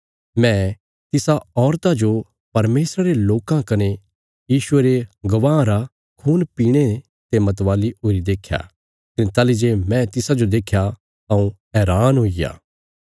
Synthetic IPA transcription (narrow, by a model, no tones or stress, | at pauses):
mɛ̃ | t̪ɪsaɔːɾt̪ad͡ʒo | pɐɾmeːsɾaɾeloːkãkɐne | jiːʃʊeɾeɡɐʋãːɾa | kʰuːnpiːɽ̃e | t̪emɐt̪ʋaːliɦoːɾid̪eːkʰːja̰ː | kɐnet̪aːlid͡ʒemɛ̃t̪ɪsad͡ʒod̪eːkʰja | ɐũɦɛːɾaːnɦoːija̰ː